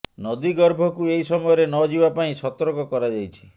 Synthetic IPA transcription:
nɔd̪iɡɔɾbʱɔkuejsɔmɔjɔɾenɔd͡ʒibapaĩsɔt̪ɔɾkɔkɔɾad͡ʒajt͡ʃʰi̥

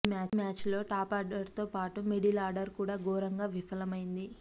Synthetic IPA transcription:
maːmaːt͡ʃlo̞ːʈaːpaːɾɖɐɾt̪o̞ːpaːʈumeɽilaːɾɖɐɾkuːɽaːɡɔːɾɐŋɡaːʋifʰɐlɐmɐjind̪i

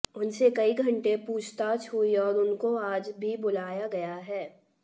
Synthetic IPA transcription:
ʊnsekɐiɡʱɐ̃ɳʈepuːt͡ʃʰt̪aːt͡ʃɦuiɔːɾʊnkoaːd͡ʒbʱibʊlaːjaɡɐjaɦɛː

